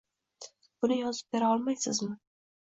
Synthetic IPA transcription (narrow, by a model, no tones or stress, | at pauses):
b̥ʊnɪjɒzɪp̚beɾaɒlˠmajsɪ̰zmɪ